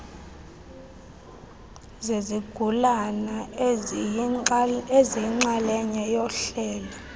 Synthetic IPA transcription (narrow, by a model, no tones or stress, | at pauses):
zeziɡ̥ʱulana | ezijiŋ͡ǀalɛɲɛjɔɬɛːlɔ